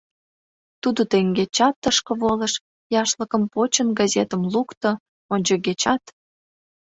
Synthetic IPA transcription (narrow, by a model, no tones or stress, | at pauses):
t̪ud̪ot̪eŋɡet͡ɕɑt̪ːəʃkə̆βolə̆ʃ | jɑʃləkəmpot͡ɕənɡɑzet̪əmlukt̪ə | onʲd͡ʑoɣet͡ɕɑt̪